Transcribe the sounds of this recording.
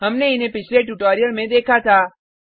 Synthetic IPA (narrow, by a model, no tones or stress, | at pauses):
ɦəmneinepit͡ʃʰleʈuʈɔɾijəɾmẽd̪ekʰat̪a